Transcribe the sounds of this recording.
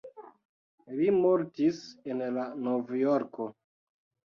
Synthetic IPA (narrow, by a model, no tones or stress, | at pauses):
limoɾtisenlanovjoɾko